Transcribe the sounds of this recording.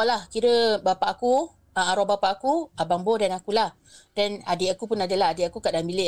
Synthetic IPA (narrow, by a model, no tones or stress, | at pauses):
lahkiɾəbapaʔaku | aaɾɔbapaʔakuabaŋbodanakulah | danadeʔakupunadəlaɦadeʔakukaʔdambile